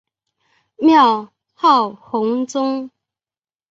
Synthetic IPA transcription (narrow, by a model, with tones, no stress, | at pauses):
mjɑ˥˧ʊ | xɑ˥˩ʊxʊ˧˥ŋt͡sʊ˥ŋ